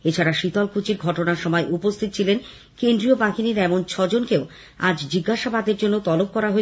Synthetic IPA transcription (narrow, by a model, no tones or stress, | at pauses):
et͡ɕʰaɾaʃit̪ɔlkut͡ɕiɾɡʱɔʈonaɾʃɔmɔeʔupost̪ʰit̪ot͡ɕʰilen | kend̪ɾiobaɦiniɾɛmont͡ɕʰɔd͡ʑonkeo | a̰d͡ʑd͡ʑiɡːaʃabad̪eɾd͡ʑonːot̪ɔlop̚kɔɾaɦoe